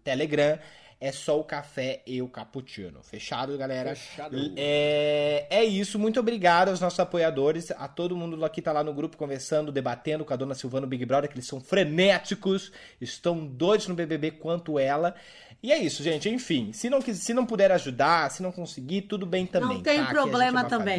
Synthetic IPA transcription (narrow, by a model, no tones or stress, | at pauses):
t̪eleɡɾɐ̃ | ɛsɔʊkafɛɪʊkaput͡ʃḭ̃nʊ̰feʃad̪ʊɡalɛɾɐʃaɛ | ɛisʊmũj̃t̪̬obɾiɡad̪ʊawznɔsʊzapojad̪oɾɪsa̰t̪od̪ʊmũnd̪ʊlakit̪alanʊɡɾupʊ̥kõveɾsɐ̃nd̪ʊd̪ebat̪ẽnd̪ʊkõɐd̪õnɐsiwvɐ̃nʊbiɡɪbɾɔd̪eɾkelɪsɐ̃w̃fɾenɛt͡ʃikʊs | ɪst̪ɐ̃w̃d̪ojd̪ʊznʊbebebekwɐ̃nt̪ʊɛlɐ | ɪɛisʊʒẽt͡ʃɪẽj̃fĩsɪnɐ̃w̃kizsɪnɐ̃w̃pʊd̪ɛɾaʒud̪asɪnɐ̃w̃kõsɪɡit̪ud̪ʊbẽj̃t̪ɐ̃nb̃j̃t̪ẽj̃pɾoblẽmɐt̪ɐ̃bẽj̃